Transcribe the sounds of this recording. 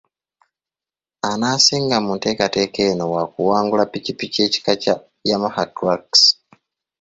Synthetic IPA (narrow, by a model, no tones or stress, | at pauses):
anaːsiːŋɡamunte̞ːkate̞ke̞no̞wakuwaːŋɡulapicipice̞ːci̥kaca | jamahakɾaks